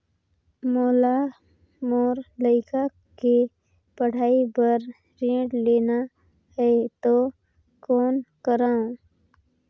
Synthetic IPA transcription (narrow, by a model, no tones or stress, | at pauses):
moːla | moːɾləɪkʰa | ke | pəɽ̤aːibəɾ | ɾẽːɖleːna | ɦet̪o | koːnkəɾãː